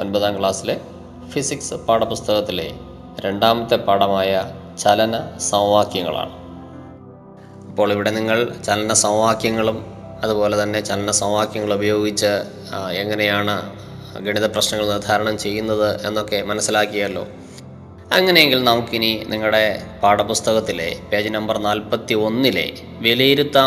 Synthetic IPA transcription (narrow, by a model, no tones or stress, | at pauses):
o̞nbɐðaːmkɭaːsile | fisiksɨpaːɽɐpːust̪ʰɐɣɐt̪ːilḛ | ɾe̞ɳɖaːmɐt̪ːepːaːɽɐmaːjɐ | t͡ɕɐlɐnɐsɐʋʋaːkjɐŋːɐ̰ɭa̰ːɳɨ | ipːo̞ːɭiʋiɽe̞niŋːɐɭt͡ɕɐlɐnɐsɐʋʋaːkjɐŋːɐɭum | ɐðupo̞ːle̞t̪ɐnːe̞t͡ɕɐlɐnɐsɐʋʋaːkjɐŋːɐɭubɐjo̞ːɡit͡ɕːɨ | eŋːɐne̞jaːɳɨ | ɡiɳiðɐprɐɕnɐŋːɐɭnird̪ʱaːɾɐɳɐmt͡ɕe̞jːunːɐðɨe̞nːo̞kːe̞mɐnɐsːilaːkːiɣɐjɐlːo̞̰ː | ɐŋːɐnejeŋɡilnɐmukːininiŋːɐɽe̞paːɽɐpust̪ɐɣɐt̪ːile̞̰peːd͡ʑɨnɐmbɐrnaːlpɐt̪ːio̞nːile̞̰ | ʋelejiɾut̪ːaː